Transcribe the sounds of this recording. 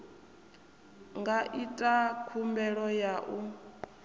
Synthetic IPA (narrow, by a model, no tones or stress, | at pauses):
ŋɡaʔitʼakʰumbɛɺɔjaʔu